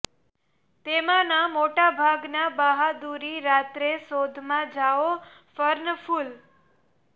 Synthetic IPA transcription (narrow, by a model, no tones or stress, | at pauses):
t̪emãnamoʈabʱaɡnabaɦad̪uɾiɾat̪ɾesod̪ʱmãd͡ʒaʋo | fəɾnəfʰul